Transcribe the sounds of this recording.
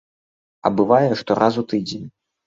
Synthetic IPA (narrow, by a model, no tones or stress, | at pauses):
ɐ̰bɨvajɛʂt̪ɔɾʔazut̪ɨd͡zʲenʲ